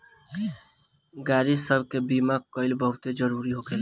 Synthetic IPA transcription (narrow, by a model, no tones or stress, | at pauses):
ɡaːɾɪsəbʱkebiːmakəɪlbəɦʊt̪ed͡ʒəɾuːɾiɦokel